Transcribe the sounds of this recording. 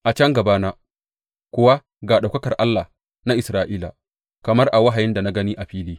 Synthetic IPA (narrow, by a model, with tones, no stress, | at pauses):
ʔa˨t͡ʃɐ˦ŋɡɐ˨baː˦naː˦ | kʷʊ˨wa˦ | ɡaː˨ɗa˨kɐ˦kɐ˨rʔa˦lːaː˨ | na˦ʔɪ˨sɾaː˦ʔiː˦la̰˨ | kɐ˨mɐ˦rʔa˨wa˦ɦa˨jɪ˦nda˨na˦ɡɐ˦niː˦ʔa˨ɸiː˦liː˦